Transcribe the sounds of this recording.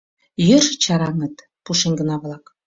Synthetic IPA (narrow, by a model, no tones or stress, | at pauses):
jørʒə̆t͡ɕɑɾɑŋə̆t̪ | puʃenʲɡə̆nɑβlɑk